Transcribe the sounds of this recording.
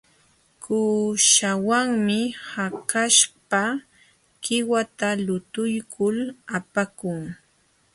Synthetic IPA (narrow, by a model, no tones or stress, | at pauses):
kuːʃawaŋmɪhakaʃpa | kɪwat̪alʊt̪ʊjkʰʊlapakʊŋ